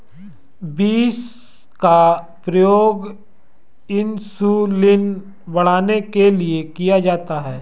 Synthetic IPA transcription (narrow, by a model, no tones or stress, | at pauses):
biːs | ka | pɾɐjoːɡ | ɪnsulɪn | bɐɽ̤aːnekeliekijad͡ʒaːt̪aɦɛː